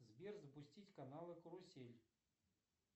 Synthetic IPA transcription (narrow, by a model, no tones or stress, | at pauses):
zʲbʲerzɐpʊsʲtʲit͡sʲkanalˠɨkɾʊsʲelʲ